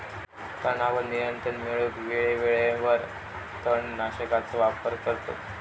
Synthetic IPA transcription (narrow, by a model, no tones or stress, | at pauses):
t̪ənaʋəɾnijənt̪ɾəɳmeɭuːt̪ʋeɭeʋeɭẽʋəɾ | t̪əɳnaɕəkat͡səʋapəɾkəɾt̪o̰